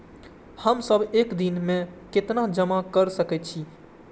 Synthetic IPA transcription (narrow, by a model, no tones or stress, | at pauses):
həmsəbʱekd̪inmẽket̪nad͡ʒəmakəɾsəkɛt̪̚t͡ʃʰi